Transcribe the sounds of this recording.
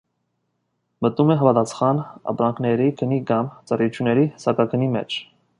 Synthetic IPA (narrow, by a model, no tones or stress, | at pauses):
mət̪umɛɦɑvɑt̪ɑt͡sʰχɑnɑ̰pɾɑŋkʰnɛɾikʰənikɑmt͡sɑrɑjut͡ʃʰjunːɛɾisɑkɑkʰənimɛ̰t͡ʃʰ